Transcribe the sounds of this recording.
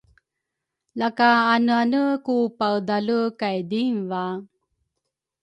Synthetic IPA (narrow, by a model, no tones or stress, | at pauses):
lakaːnuanəkupawd̪alukajd̪iŋva